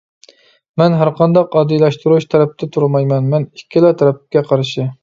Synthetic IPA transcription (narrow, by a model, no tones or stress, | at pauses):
mɛnɦæɾqʰɑnd̪ɑqɑːd̪ijlˠɑʃt̪uɾuʃt̪ʰɛɾɛp̚t̪ʰɛt̪ʰuɾmɑjmɛnmɛnikʲʰːilˠæt̪ʰæɾɛp̚kʲɛqʰɑɾʃɪ